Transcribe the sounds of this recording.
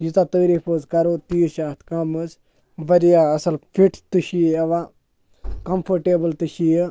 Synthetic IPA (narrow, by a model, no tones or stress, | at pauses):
jit̪at̪əːɾiːpʰəːzkɐɾoːt̪iːʃaːt̪ʰkɐmɨz | bɐɾijaɐsɐlpʰiʈʰt̪uʃiɐʋaː | kɐmpʰɐɾʈeːbɐlt̪ɨʃijə